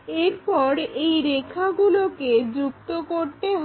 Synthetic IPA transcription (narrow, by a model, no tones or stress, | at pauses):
eɾpɔɾejɾekʰːaɡuloked͡ʑukt̪okoɾt̪eɦ